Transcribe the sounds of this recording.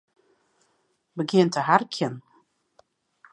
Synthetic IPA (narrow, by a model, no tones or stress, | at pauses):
bəɡɪəntəɦarkʰjən